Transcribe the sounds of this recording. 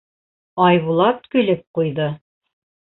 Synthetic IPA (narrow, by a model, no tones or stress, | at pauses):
ɑjβulˠɑt̪kɵ̆lɘp̚qujðɤ